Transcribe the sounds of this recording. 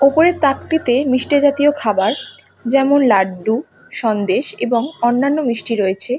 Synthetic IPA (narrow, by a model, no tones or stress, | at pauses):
opoɾet̪akʈit̪emiʃʈid͡ʑat̪iokʰabaɾ | d͡ʑɛmonlaɖɖu | ʃɔnd̪eʃḛboŋɔnːanːomɾiʃʈiɾoet͡ɕʰe